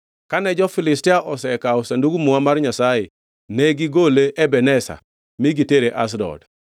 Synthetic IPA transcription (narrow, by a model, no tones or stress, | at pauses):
kanɛd͡ʒɔfɪlɪstiaʔɔsɛkaʊsanduɡumuamaɾɲasaje | nɛɡiɡoleʔɛbɛnɛsa̰ | miɡiteɾeʔa̰s̬dɔ̰d